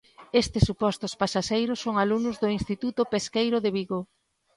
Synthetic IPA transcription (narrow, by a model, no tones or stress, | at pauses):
est̪ɪsːupɔst̪ʊspasaʃejɾʊsːoŋalunʊzðʊinst̪it̪ut̪ʊpeskejɾʊðeβiɣo